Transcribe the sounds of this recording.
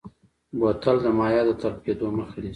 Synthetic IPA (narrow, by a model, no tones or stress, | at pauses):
bot̪ald̪əmɑjɑd̪ət̪aɾp̚ked̪oməxali